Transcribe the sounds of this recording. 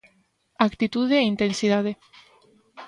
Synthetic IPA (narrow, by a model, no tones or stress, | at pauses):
akt̪it̪uðeːint̪ensiðaðe